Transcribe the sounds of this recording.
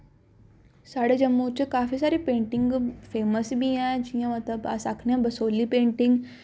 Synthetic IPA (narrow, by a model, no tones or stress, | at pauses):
saɽed͡ʑəmːut͡ɕekafiːsaɾiːpeɳʈiŋɡfeməsbiãd͡ʑĩjãmət̪ləba̰sa̰kʰɳjãbəsoliːpeɳʈiŋɡ